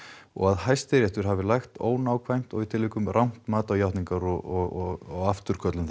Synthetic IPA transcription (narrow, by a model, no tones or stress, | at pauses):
ɔ̰ɣaðhajst̪ɪɾjɛht̪ʏɾ̥ɦaːvɪlajxt̪o̰ːwnaːwkʰvajm̥t̪ɔɣit̪ʰɪlːiːkʏmrʔawm̥t̪maːt̪awjawht̪niŋkaɾɔɣɔɣɔɣaft̪ʏɾ̥kʰœt̪lʏmθ